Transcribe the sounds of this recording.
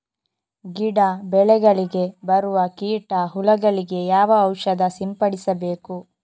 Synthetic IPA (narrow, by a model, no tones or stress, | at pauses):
ɡiɽɐbɛɭɛɡɐɭiɡe̞bɐɾuʋɐkiːʈɐɦulɐɡɐɭiɡe̞jaːʋɐːwʃɐd̪ɐsimpɐɽisɐbe̞ːku